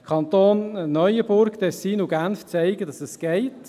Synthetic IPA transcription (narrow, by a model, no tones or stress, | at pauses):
kʰɑnt̪oːnːœʏəbʊɾktɛsːiːnuɡænft͡sæɪɡədɑsɛsɡ̥ɛɪt